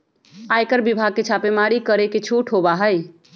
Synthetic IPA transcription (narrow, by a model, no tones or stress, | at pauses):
aekəɾbibʱaɡ̚ket͡ʃʰapemaɾikəɾeket͡ʃʰuʈʰɦobaɦəj